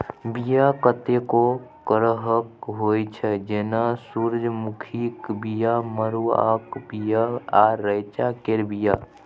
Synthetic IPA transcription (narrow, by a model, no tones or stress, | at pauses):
bijakət̪ekokəɾəɦəkɦojt͡ʃʰɛd͡ʒenasuɾd͡ʒʱmukʰikbijaməɾua̰kbijaaɾəjt͡ʃakeɾbija